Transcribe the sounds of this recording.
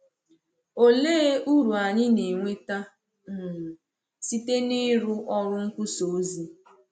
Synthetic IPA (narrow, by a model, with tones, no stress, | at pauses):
o˦le˦u˦ɾu˨a˨ɲɪ˦ne˨ŋʷe˦ta˦ | n̩˨ | si˦te˦nɪ˦ɾʊ˦ʔɔ˦ɾʊ˦ŋ̩˦kʷʊ˦so˨˦zi˦